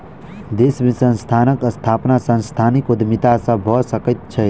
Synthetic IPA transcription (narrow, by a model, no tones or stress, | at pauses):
d̪esmisə̃nst̪ʰanəkəst̪ʰapnasə̃nst̪ʰanikud̪ʱmit̪asə̃bʱɔsəkət̪̚t͡ʃʰɛ